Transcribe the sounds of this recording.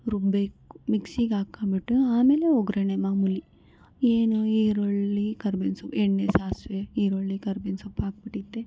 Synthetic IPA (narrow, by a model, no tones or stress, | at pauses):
ɾubekmiksiːɡaːkabiʈːuaːmeːleoɡɾɐnemamuli | eːnuiːɾoɭːikɐɾbinsɐpeɳːesaːsʋeiːɾoɭːikɐɾbinsɐpaːk̚biʈːit̪ːe